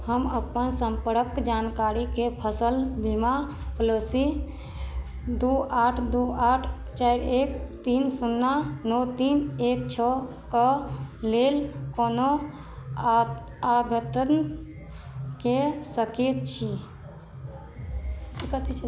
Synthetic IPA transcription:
həməpənsəmpəɾəkd͡ʒankaɾikepʰəsəlbima | pəlosi | d̪uaʈʰd̪uaʈʰ | t͡ʃajɾek̚t̪insunːanɔt̪inek̚t͡ʃʰɔ | kəlelkono | aɡʱət̪ən | kesəket̪̚t͡ʃʰi | ikət̪ʰi

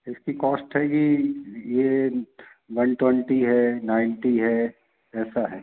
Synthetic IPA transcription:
ɪskikɔːsʈɦɛːɡije | ʋɐnʈwɛ̃ɳʈiɦɛnaːɪɳʈiɦɛ | ɛːsaɦɛː

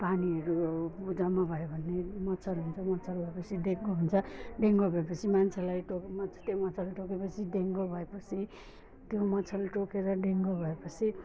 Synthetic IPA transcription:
paniʌɾubud͡zamabʱʌjobʱʌnːemʌt͡sʰʌɾuɦunt͡sʰʌmʌt͡sʰʌɾubʱʌepʌt͡sʰideŋɡoɦunt͡sʰʌɖeŋɡobʱʌepʌt͡sʰimant͡sʰelajʈokmʌt͡sʰt̪emʌt͡sʰʌlʈokepʌt͡sʰiɖeŋɡobʱʌepʌt͡sʰi | t̪jomʌt͡sʰʌlʈokeɾʌɖeŋɡobʱʌepʌt͡sʰi

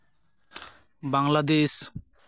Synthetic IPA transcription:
baŋlad̪eʃ

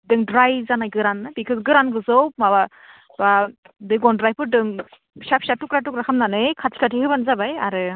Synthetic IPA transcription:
dɯŋdɾajzanajɡɯɾanːɯbikʰɯɡɯɾanɡɯzɔwmaba | ba | dɯɡɔndɾajpɯɾdɯŋ | sap̚ʰsatukɾatukɾakʰamnanɯjkʰatʰi̥kʰatʰihɯbanzabajaɾɯ

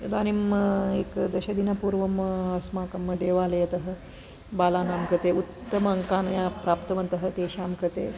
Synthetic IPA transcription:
jɐd̪aːnimḛːkd̪ɐɕɐd̪inɐpuːɾʋɐmɐsmaːkɐmːɐd̪eːʋaːlɐjɐt̪ɐɦɐ̆ | baːlaːnaːmkɾɨt̪eːut̪ːɐmɐɐŋkaːnɐjaːpɾaːpt̪ɐʋɐnt̪ɐɦɐt̪eːɕaːmkɾɐt̪ḛː

